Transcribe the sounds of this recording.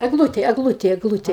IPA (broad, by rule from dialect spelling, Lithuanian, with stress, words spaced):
ɛɡˈlˠʊtʲeː ɛɡˈlˠʊtʲeː ɛɡˈlˠʊtʲeː